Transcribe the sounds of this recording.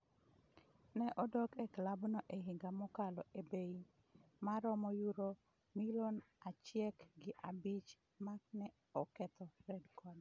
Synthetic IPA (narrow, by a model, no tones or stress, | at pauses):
nɛʔɔdɔkɛklabnɔʔeɦɪŋɡamɔkalɔebei | maɾɔmɔjuɾo | milonat͡ʃjɛkɡɪʔabit͡ʃ | maknɛ | ɔkɛt̪ɔɾɛdkʰɔd